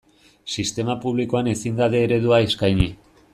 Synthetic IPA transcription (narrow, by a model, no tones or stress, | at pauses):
sist̪e̞mapuβliko̞ane̞sind̪aðe̞ːɾe̞ðuaeskajɲi